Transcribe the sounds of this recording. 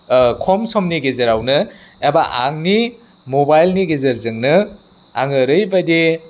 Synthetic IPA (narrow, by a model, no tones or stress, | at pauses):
kʰɔmsɔmniɡezɐɾawnɯabaʔa̰ŋni | mobajlniɡezɐɾzɯŋnɯ | a̰ŋɯɾɯjbade